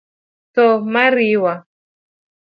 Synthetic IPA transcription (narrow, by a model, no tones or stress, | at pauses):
tɔmaɾiwa